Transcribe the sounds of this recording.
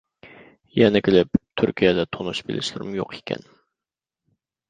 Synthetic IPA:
jɛnɛkʲɪlɪpt̪ʰyɾkʲʰijɛd̪ɛt̪ʰonuʃbɪlɪ̰ʃlɪɾɪmjo̰qʰe̥kʲʰɛ̰n

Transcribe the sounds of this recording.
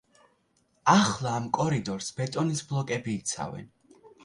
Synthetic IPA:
aχlˠaːmkʼɔɾid̪ɔɾsbɛt̪ʼɔnisblˠɔkʼɛbiːt̪sʰa̰vɛ̰n

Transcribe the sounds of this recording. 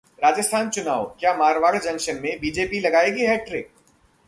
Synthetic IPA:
ɾaːd͡ʒəst̪ʰaːnt͡ʃʊnaːʋkjaːmaːɾʋaːɽd͡ʒɐ̃ŋʃənmẽbiːd͡ʒeːpilɐɡaːeɡiɦɛːʈɾɪk̚

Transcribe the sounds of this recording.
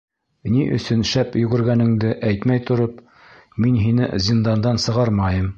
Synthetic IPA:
niʔɵ̰̆sɵnʃæpjɵ̆ɡɵ̆ɾɡænɘ̆ŋd̪ɘʔæjt̪mæjt̪ŏɾop | minɦinɘ̰zʲind̪ɑnd̪ɑnsɤ̆ʁɑɾmɑjɤm

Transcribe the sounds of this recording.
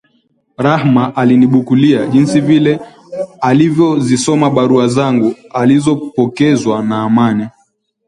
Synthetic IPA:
ɾahmaʔaliniɓukuliaʄinsivilɛ | alivjɔzisɔmaɓaɾuazaŋɡu | alizɔpɔkɛzwanaːmani

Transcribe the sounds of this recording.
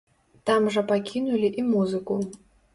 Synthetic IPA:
t̪amʐɐpakʲinulʲiʔimuzɨku

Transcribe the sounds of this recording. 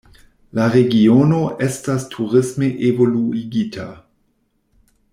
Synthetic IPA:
laʁeɡionoʔestastʰuʁɪsmeʔevoluiɡitʰa

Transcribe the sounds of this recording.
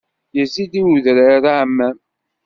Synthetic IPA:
jəzid̪iwuðɾaɾaʕmːæ

